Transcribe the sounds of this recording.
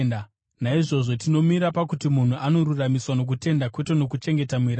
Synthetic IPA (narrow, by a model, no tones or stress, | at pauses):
na | naiʐo̞ʐo̞tino̞miɾapakutimun̤uʔano̞ɾuramiswano̞k̬ute̞ndakwe̞tono̞kut͡ʃe̞ŋɡe̞tamuiɾa